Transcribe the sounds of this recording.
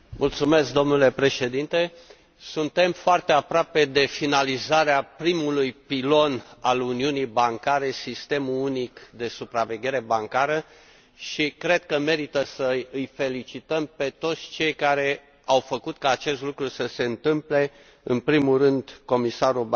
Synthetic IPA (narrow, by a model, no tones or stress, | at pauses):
mult̪sume̞sk̚d̪o̞mnule̞pɾe̞ʃe̞d̪int̪e̞ | sunt̪e̞mfoart̪e̞apɾoape̞d̪e̞finalizaɾeapɾimulujpilo̞naluniunijbaŋkaɾe̞sist̪e̞mulunikd̪e̞supɾave̞ɡʲe̞ɾe̞baŋkaɾə | ʃikɾe̞d̪̚kəme̞ɾit̪əsəjɨjfe̞lit͡ʃit̪əmpe̞t̪o̞t̪sʲt͡ʃe̞jkaɾe̞ | awfəkut̪kaːt͡ʃe̞st̪lukɾusəse̞ɨnt̪ɨmple̞ | ɨnpɾimurɨnd̪ko̞misaɾub